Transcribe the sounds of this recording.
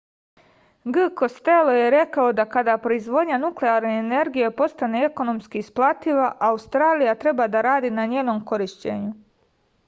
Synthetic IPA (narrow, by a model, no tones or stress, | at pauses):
ɡɨko̞st̪elo̞je̞ɾe̞kao̞d̪akad̪aːpɾo̞izʋo̞d̪ɲanukle̞aɾneːne̞ɾɡije̞po̞st̪aneeko̞no̞mskiːsplˠat̪iʋaʔaust̪ɾaːlijat̪ɾe̞baːd̪aɾaːd̪iːnaɲeːno̞mko̞ɾiʃt͡ɕḛɲu